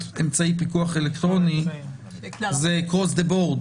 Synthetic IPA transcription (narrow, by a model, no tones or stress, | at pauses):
emt͡saipikuaχelekt̪ʁo̞ni | zekosd̪eboʁd